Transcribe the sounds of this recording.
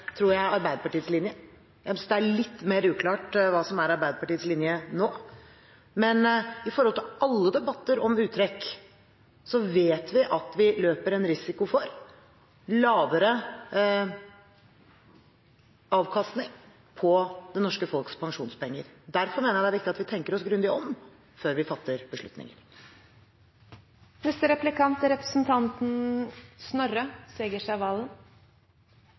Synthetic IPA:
t̪ʰɾuːɾjæɪɾɑɾbæɪd̪əpɑʈiːəslɪnjə | jæmssd̪ɛæɭɪt̪ːmeːɾʉːkʰlɑːʈʋɑːsɔmæɾɑɾbæɪd̪əpɑʈiːəslɪnjənoː | mɛnɪfɔɾhɔlt̪ʰɪɑlːəd̪ɛbɑt̪ːəɾɔmʉːt̪ʰɾɛkː | sɔʋeːt̪ʰʋɪʔɑt̪ʋɪløːpəɾɛnɾɪsɪkʊfɔɾ | lɑːʋəɾə | ɑːʋkʰɑst̪nɪŋ | pʰɔd̪ɛnɔʂkəfɔlkspʰɑŋʂuːnspɛŋːəɾd̪æɾfɔɾmeːnəjæd̪ɛæɾʋɪkt̪ɪɑt̪ʋɪt̪ʰɛŋkəɾɔsɡɾʉnd̪ɪɔm | føːɾʋɪfɑt̪ːəɾb̥əʂɭʉt̪nɪ̰ŋə̰ɾ | nɛst̪əɾɛplɪkʰɑnt̪ɾɛpɾəsn̩t̪ʰɑnt̪n̩snɔɾəseːɡəʂæʋɑːln

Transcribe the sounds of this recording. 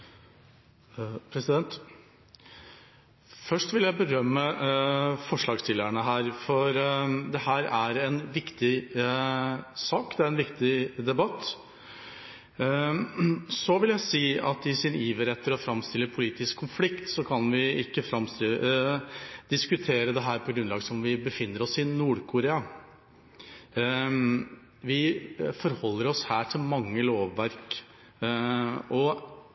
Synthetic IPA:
pʰɾɛsɪd̪ɛnt̪ | fœʂʈʋɪljæɪbəɾœmːə | fɔʂɭɑːɡst̪ʰɪlːəɳəɦæːɾfɔɾd̪ɛhæːɾæɾɛnʋɪkt̪ɪ | sɑːkd̪ɛæɾɛnʋɪkt̪ɪd̪ɛbɑt̪ː | sɔʋɪljæɪsiːɑt̪ɪsɪniːʋəɾɛt̪ːəɾɔfɾɑmst̪ɪlːəpʰʊliːt̪ɪskʰːʊnflɪkt̪sɔkʰɑnʋɪɪ̰kːəfɾɑmst̪ɪ | d̪̥ɪskʉt̪ʰeːɾəd̪ɛɦæːɾpʰɔɡɾʉnlɑːɡəsɔmʋɪbəfɪnːəɾɔsɪnuːɖkʰʊɾeːɑ | ʋɪfɔɾhɔlːəɾɔshæːʈʰɪlmɑŋːəloːʋːæɾk | ɔ

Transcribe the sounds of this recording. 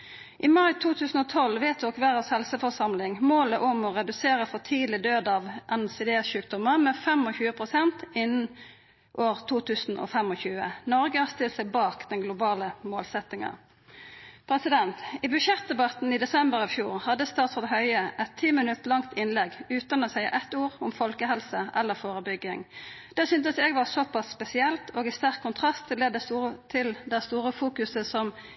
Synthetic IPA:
ʔɪmɑɪt̪ʰuːt̪ʰʉːsn̩ɔt̪ʰɔlʋeːt̪̚ɔkʋæʁɑshɛlsəfɔsɑmlɪŋmoːləʔʊmɔʁɛd̪ʉseːɾəfɔt̪ʰiːlɪd̪øːd̪ɑːʋʔɛnsɛd̪eːʃʉːk̚d̪ʊməmɛfɛmɔçʉːəpʰʁʊsɛnt̪ɪnːn̩ | ʔoːʁt̪ʰuːt̪ʰʉːsn̩ʔɔ̰fɛmɔçʉːə̰nɔɾɡəɑst̪ɪlsɛɪbɑːkd̪ɛnɡlʊbɑːləmoːlsɛt̪ːɪŋɑ̰ | pʰɾɛsɪd̪ɛnt̪iːbʉʃjɛt̪̚d̪ɛbɑt̪n̩iːd̪ɛsɛmbəʁɑʋfjuːʁhɑd̪əst̪ɑːt̪sɔːd̪ɦœʏəʔɛt̪ʰːiːmɪnʉt̪lɑŋt̪ʰɪnlɛɡʉːt̪ɑnɔːsæɪɑ̰ʔɛt̪uːʁʊmfɔlkəɦɛlsəʔɛlːəʁfoːʁəbʏɡɪŋd̪̥æːsʏnt̪əsɛɡʋɑʁsɔpʰɑsːpɛsɪɛlt̪ʰoːɡɪst̪æʁkʰːʊnt̪ʰʁɑst̪ʰɪlɛd̪ːət̪ʰɪld̪æɪst̪uːɾəfuːkʉsəsɔm

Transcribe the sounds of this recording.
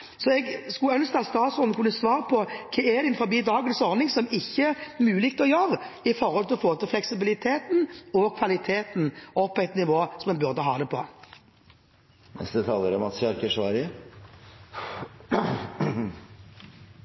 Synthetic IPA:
sɔɛɡskʉœnst̪ɑːst̪ɑːt̪sʊnkʰʉnːəsʋɑːɾəpʰɔkʰɛːɛd̪ɪnfɔbiːd̪ɑːɡənsɔʁnɪŋsɔmɪçːəəmʉːlɪkt̪əɔjøʁəɪfɔʁhɔlt̪ɪlɔfoːt̪ɪlflɛksɪbɪlɪt̪ʰeːt̪nɔkʰʋɑlɪt̪ʰeːt̪n̩ɔpʰːɔæɪt̪nɪʋoːsɔmɛnbʉʁd̪əɦɑːd̪ɛpʰɔ̰ | nɛ̰sd̪ət̪ʰɑːləɾɔmɑt̪sɑɾkəʂʋɑːɾɪ

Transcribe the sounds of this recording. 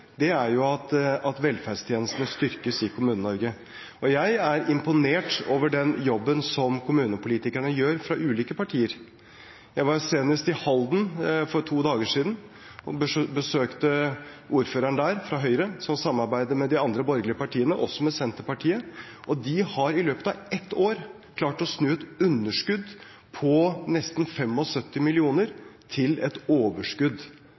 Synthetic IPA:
d̪ɛæɾjʊɑt̪ɑt̪ʋɛlfæɖst̪ʰjeːnəst̪nəst̪ʏɾkəsɪkʰʊmʉːnənɔɾɡə | ɔjæɪæɾɪmpʊneːʈoːʋəɖɛnjɔbːənsɔmkʰʊmʉːnəpʰʊliːt̪ɪkæɳəjøːɾfɾɑʔʉːliːkəpɑʈʰiːəɾ | jæɪʋɑɾseːnəst̪ɪhɑld̪n̩fɔɾtʰuːd̪ɑːɡəʂiːd̪n | ɔbəsøːkt̪əʔuːɾføːɾəɳd̪æːɾfɾɑɦœʏɾəsɔmsɑmːɑɾbæɪd̪əmɛd̪ɪɑnd̪ɾəbɔɾɡlɪəpɑʈʰiːənəʔɔ̰sːɔmɛsɛnt̪əpɑʈʰiːə | ʔɔd̪ɪhɑɾɪløːpət̪ɑɛt̪ʰːoːɾ | kʰlɑːʈɔsnʉːɛt̪ʉnːəʂkʉd̪ | pʰɔnɛst̪nfɛmɔsœt̪ːɪmɪlɪuːnəɾt̪ʰɪlɛt̪oːʋəʂkʉd̪

